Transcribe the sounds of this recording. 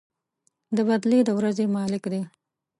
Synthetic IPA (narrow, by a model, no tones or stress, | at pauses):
d̪əbad̪led̪əwɾazemɑlɪkd̪e